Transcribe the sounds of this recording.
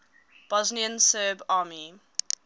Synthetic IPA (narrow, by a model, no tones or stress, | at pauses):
b̥ɔzniə̃nsɜːbaːmi